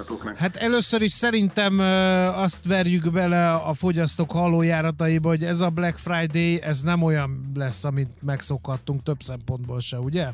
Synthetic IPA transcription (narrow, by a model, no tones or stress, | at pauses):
hat̪ɛløːsøɾiʃsɛɾint̪ɛmɒst̪ʋɛrjyɡbɛlɛɒfo̞ɟɒst̪oːkhɒloːjaːɾɒt̪ɒjibɒɦo̞ɟɛzɒblɛkfrajd̪eːjɛznɛmo̞jɒnlɛsːɒmint̪̚mɛkso̞khɒt̪ːuŋkt̪ø̞bsɛmpo̞nd̪̚boːlʃɛuɟɛ